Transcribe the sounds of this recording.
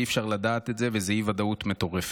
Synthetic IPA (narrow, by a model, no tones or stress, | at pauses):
iːfʃaʁlad̪aːt̪etzevezehivad̪aut̪me̞t̪o̞ʁef